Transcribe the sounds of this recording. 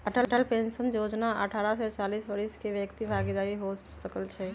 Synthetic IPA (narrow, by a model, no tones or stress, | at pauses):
əʈəlʈəlpẽnsənjoːd͡ʒnaʔə̰ʈʰaːɾasɛt͡ʃaːliːsbəɾiskeʋjəkt̪ibʱaːɡd̪aːiɦosəkəlt͡ʃʰɛ